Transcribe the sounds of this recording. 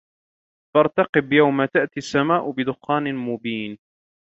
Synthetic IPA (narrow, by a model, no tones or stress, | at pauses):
fɑɾˤt̪ɑqɨbjawmat̪aʔt̪iasːamaːʔʊbɪd̪ʊxːaːnɪmʊbiːn